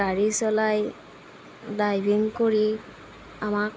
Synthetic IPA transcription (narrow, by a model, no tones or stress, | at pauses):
aɹisɔlaj | dajbʱiŋkoɹi | amak